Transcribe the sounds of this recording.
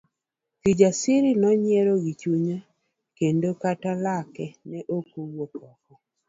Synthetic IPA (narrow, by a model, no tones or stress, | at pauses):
tid͡ʒasɪɾinɔɲjeɾoɡit͡ʃuɲa | kendokatalakɛnɛʔokowokɔkɔ